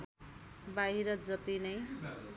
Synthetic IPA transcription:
baɦiɾʌd͡zʌt̪inʌj

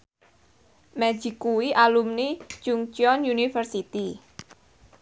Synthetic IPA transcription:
mɛd͡ʒ̥i̤kuwiʔalumni̥d͡ʒ̥uŋt͡ʃiɔnjunifərsit̪i

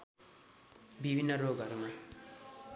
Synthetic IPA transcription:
bʱibʱinːʌɾoɡʌɾuma

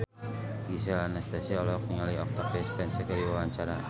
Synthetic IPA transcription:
ɡis̬alanast̪asiɔlɔk̚niŋaliɔk̚t̪ak̚bespɛnsəkaɾiwawaɲt͡ʃaɾa

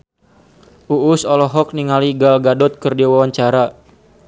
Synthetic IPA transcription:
ʔuːsɔlɔɦɔk̚niŋaliɡalɡadɔt̪̚kɨrdiwawaɲt͡ʃaɾa

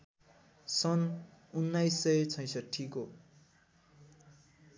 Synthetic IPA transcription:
sʌnunːajsːʌt͡sʰʌj̃sʌʈʰːiko

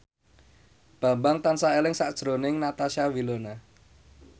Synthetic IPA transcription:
b̥a̤mbaŋt̪ansaelɪŋsaʔd̥ʒ̥ɾonɪŋnat̪aʃawilona

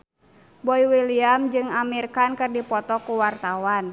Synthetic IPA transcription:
bɔiwiliamd͡ʒɨŋamirkankɨrdipɔt̪ɔkuwart̪awan

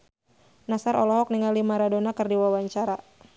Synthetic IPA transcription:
nasaɾɔ̰lɔɦɔk̚niŋɡalimaɾadonakɨrdiwawaɲt͡ʃaɾa

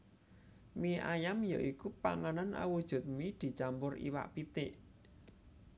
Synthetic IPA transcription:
miʔajamjaʔikupa̰ŋananʔa̰wud̥ʒ̥ṳt̪̚mid̪̥i̤t͡ʃambʊrḭwa̰ʔpit̪ɪʔ

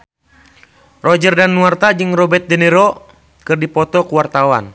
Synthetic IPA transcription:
rɔd͡ʒərdanːuart̪ad͡ʒɨŋrɔbɛt̪̚dɛnɛɾɔ | kɨrdipɔt̪ɔkuwart̪awa̰n

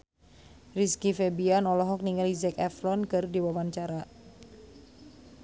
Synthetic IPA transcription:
riskifɛbianɔlɔɦɔk̚niŋalizɛkɛflɔnkɨrdiwawant͡ʃaɾa

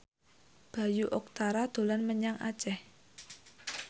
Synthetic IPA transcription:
b̥a̤juʔɔk̚t̪aɾad̪̥o̤lanməɲaŋʔa̰t͡ʃɛh

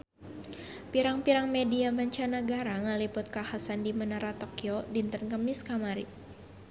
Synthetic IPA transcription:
piɾaŋpiɾaŋmediabaɲt͡ʃanaɡaɾaŋəlipʊt̪̚kahasandimənaɾat̪okiodint̪ənkəmiskamaɾi

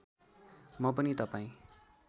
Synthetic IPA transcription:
mʌpʌnit̪ʌpaĩ

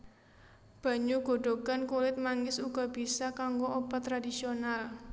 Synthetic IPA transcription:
b̥ä̤ɲuɡ̥o̤ɖ̥o̤ɡankulɪt̪̚maŋɪsuɡ̥ɔ̤b̥i̤sakaŋɡoobat̪ːɾadisional

